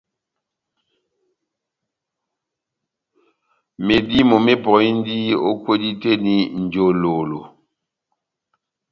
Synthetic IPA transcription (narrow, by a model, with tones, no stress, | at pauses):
me˨di˦mo˨me˦pɔ˨i˦n˦di˦o̰˦kwo˦di˦te˦ni˨n̩˨d͡ʒo˨lo˨lo˨